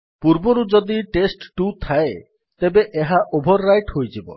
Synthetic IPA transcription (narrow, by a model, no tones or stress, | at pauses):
puɾbɔɾud͡ʒɔd̪iʈesʈʈut̪ʰae | t̪ebeʔeɦaʔobʱɔɾːajʈhojd͡ʒibɔ̰